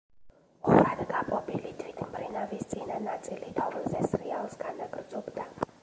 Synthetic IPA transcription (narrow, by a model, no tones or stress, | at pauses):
χɔɾad̪ɡapʼɔbilid̪ʰvit̪ʰmbʰʼɾinavist̪sʼihnanasʼilit̪ʰɔvəlzɛsrialsɡanaɡʼrdzʼɔbd̪a